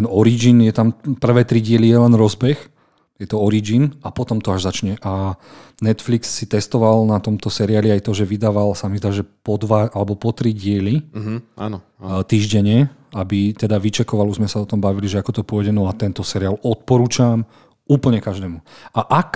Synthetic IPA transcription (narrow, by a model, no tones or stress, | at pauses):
t̪ɛnɔɾid͡ʒinjɛt̪ampr̩ʋɛːt̪ɾiɟɪɛlijɛlɛnɾɔzbɛx | jɛt̪ɔɔɾid͡ʒinapɔt̪ɔmt̪ɔaʒzat͡ʃɲɛʔa | nɛt̪fliksːit̪ɛst̪ɔʋalnat̪ɔmt̪ɔsɛɾiaːliajt̪ɔʒɛʋid̪aːʋalsamizd̪aʒɛpɔd̪ʋaalɛbɔpɔt̪ɾiɟɪɛlia̰nɔ | t̪iːʒɟɛɲɛabit̪ɛd̪aʋit͡ʃɛkɔʋaluzmɛsaɔt̪ɔmbaʋiliʒɛakɔt̪ɔpʊɔɛɟɛnɔat̪ɛnt̪ɔsɛɾialɔt̪̚pɔɾuːt͡ʃam | uːpl̩ɲɛkaʒd̪ɛːmuaʔak